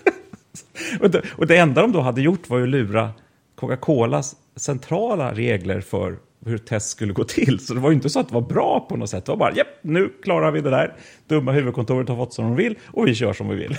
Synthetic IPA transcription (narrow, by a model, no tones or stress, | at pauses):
ʔɔd̪ɛʔɔd̪ɛɛnd̪ad̪ɔmd̪oɦad̪ːəjʊʈːvaɾjɵlʉ̟ːɾa | kʰɔkakʰoːlasː | ɛnt̪ʰɾɑːla̰ɾeːɡlə̰ɾfœ̰ɾ | hɵt̪ʰɛsskɵlːəɡoːt̪ʰɪlːsɔd̪ɛvajʏɪnt̪əsɔat̪̚d̪ɛvaɾbɾɑːpʰɔnɔt̪sɛt̪̚ːd̪ɛvabɑːɾa̰jɛpːnʉ̟ːkʰlɑːɾaɾvɪd̪ɛd̪æːɾd̪̥ɵmːaɦʉ̟ːvɵd̪̚kʰɔnt̪uːɾət̪haɾfɔt̪ːsɔmd̪ɔnvɪlːʔɔvɪɕœ̰ːʂɔmvɪ̰vɪ̰lː